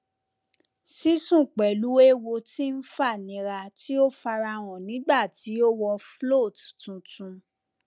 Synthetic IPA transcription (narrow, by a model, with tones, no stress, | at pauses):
si˦sũ˦˨k͡pɛ˨lu˨˦e˦wo˧ti˦n̩˦fa˦˨nĩ˨˧˦ɾa˧ti˦o˦fa˧ɾa˧w̃ɔ̃˨nĩ˨˦ɡ͡ba˦˨ti˨˦o˦wɔ˧flo˦˨ttũ˨˧tũ˧